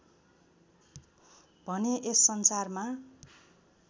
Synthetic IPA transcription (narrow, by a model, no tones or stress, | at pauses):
bʱʌneʔesːʌnsarma